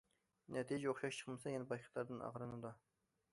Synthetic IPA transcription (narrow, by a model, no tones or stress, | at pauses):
nɛt̪ʰijd͡ʒɛoχʃɑʃt͡ʃʰə̥χmɨsɑjɛnɛbɑjqʰə̥t̪ˠɑɾd̪ɨnɑ̰ʁɾɨnud̪ɑ